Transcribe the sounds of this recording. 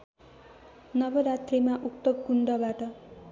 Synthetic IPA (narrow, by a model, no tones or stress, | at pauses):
nʌbʌɾat̪remaʔuk̚t̪ʌkuɳɖʌbaʈʌ